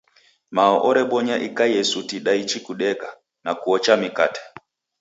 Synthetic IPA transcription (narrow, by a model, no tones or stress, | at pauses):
maɔʔɔɾɛɓɔɲaʔikajɛsutiɗait͡ʃikuɗɛka | nakuɔt͡ʃamika̰tɛ̥